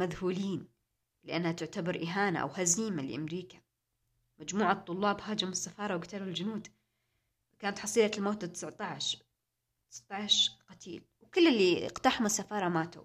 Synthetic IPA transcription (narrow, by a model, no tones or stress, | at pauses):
maðhuːliːn | lɪʔanːhat̪ɪʕt̪abɑɾˤʔɪɦaːna̰ʔa̰whaziːmalɪ̰ʔamɾiːkḁ | mad͡ʒmuːʕat̪ˤːʊlːɑːbhaːd͡ʒamɪsːafɑːɾˤɑwɡat̪aluld͡ʒʊnuːd̪ | kaːnat̪ħɑsˤiːlalmoːt̪ːat̪ːɪ̥sʕt̪ˤɑʕʃ | t̪sʕt̪ˤɑʕʃqɑt̪ʰḭːlwkɪlːɪlːiɪ̰qt̪aːħʊmɪsːafɑːɾˤɑmaːt̪ṵ